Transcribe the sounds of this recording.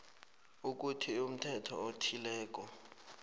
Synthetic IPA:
uk̬utʰium̩tʰɛtʰɔ̰otʰilɛːk̬ʼɔ

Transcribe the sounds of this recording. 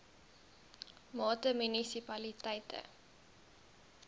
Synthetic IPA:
mɑːtəmynisipɐlitɛjtʰə̰

